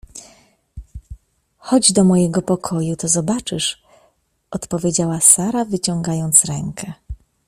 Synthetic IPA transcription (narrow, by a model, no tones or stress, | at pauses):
xɔd͡ʑd̪ɔmɔjɛɡɔpɔkʰɔjut̪ɔzɔbat͡ʂɘʂ | ʔɔt̪pɔvʲjed͡ʑawasaɾavɘt͡ɕɔŋɡajɔnt̪sɾɛŋkʰɛ